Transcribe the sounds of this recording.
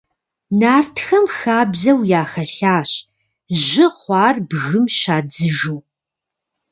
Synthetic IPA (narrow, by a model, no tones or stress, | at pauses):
naːrtʰxɐmxaːbzɐwjaːxɐɬaːɕ | ʑɪχʷɑːrbɣɨmʃaːd͡zɨʒuː